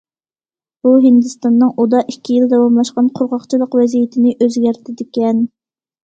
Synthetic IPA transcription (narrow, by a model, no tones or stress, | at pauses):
b̥uɦɪnd̪ɨst̪ɑnːɨŋʔud̪ɑʔikʲʰːijɪld̪ɑwɑmlˠɑʃqɑnqʰʊɾʁɑχt͡ʃʰilˠəqvɛzijɪt̪ʰɪnɪʔøzɡʲæɾt̪ʰɪd̪ɪkʲɛn